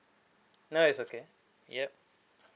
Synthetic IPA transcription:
noɪsoke | jɛp̚

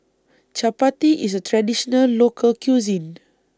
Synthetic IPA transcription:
t͡ʃapatiʔis̬ətʰɹadiʃɔnəlːokʰəlkjuzĩn

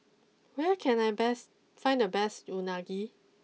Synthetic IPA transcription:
wɛkʰɛ̃najbɛs | fãɪ̃ndəbɛstunaɡi

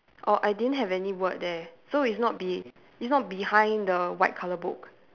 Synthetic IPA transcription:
ʔɔʔajdidə̃ntɦɛvɛniwət̚dɛsoitsnɔt̚bi | itsnɔt̚bihãɪ̃ndəwaɪt̚kʰaləbʊ̰k

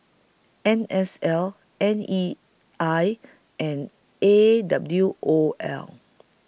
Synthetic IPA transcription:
ɛ̃nɛsɛl | ɛ̃ni | aj | ʔɛ̃n | edabljuʔoʔɛ̰l

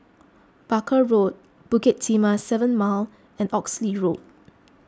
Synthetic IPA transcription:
b̥akʰəɹot̚ | b̥ukɛt̚timasɛvə̃nmal | ɛ̃nɔksliɹot̚

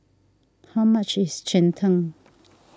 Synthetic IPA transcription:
hawmɐt͡ʃɪst͡ʃɛntʰə̃ŋ

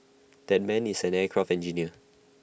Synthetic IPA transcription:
d̥ɛt̚mɛ̃nisɛ̃nɛkʰɹaftɛ̃nd͡ʒiniə

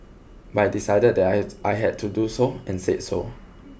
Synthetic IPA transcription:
bajdisaɪdəd̚dɛtʔajɦɛd̚tʰudusoɛ̃nsetso̰

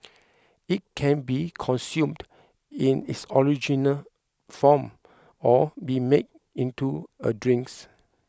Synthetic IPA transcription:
it̚kʰɛ̃nbikʰɔ̃nsjũmd | ĩnḭtsɔɹid͡ʒinəl | fɔm | ɔbimed̚ | ĩntuə̰dɹĩŋks

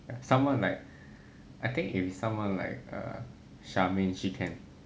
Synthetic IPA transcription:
jasãmwãnlaɪk̚ | ʔaɪt̪ɪ̃ŋkifisãmwãnla̰ɪk̚ʌ̰ | ʃamɛ̃nʃikʰɛ̃n

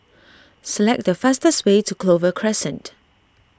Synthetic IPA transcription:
səlɛk̚dəfastəswetukʰlovəkʰɹɛsɛ̃nt

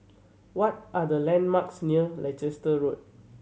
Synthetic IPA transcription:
wɔt̚ʔadəlɛ̃nmaksniəlad͡ʒɛstəɹot̚

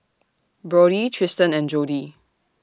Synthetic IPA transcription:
bɹɔɾitʰɹɪstə̃nɛ̃nd͡ʒodi

